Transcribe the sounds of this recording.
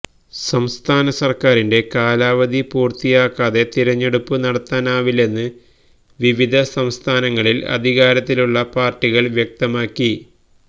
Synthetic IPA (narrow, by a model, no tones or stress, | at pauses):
sɐmst̪ʰaːnɐsɐrkaːɾinde̞kaːlaːʋɐd̪ʱipuːrt̪ijaːkːaːðe̞t̪iɾɐɲːe̞ɽupːɨnɐɽɐt̪ːaːnaːʋile̞nːɨ | ʋiʋid̪ʱɐsɐmst̪ʰaːnɐŋːɐɭilɐ̰d̪ʱiɣaːɾɐt̪ːiluɭːɐpaːrʈːiɣɐɭʋjek̚t̪ɐmaːkːi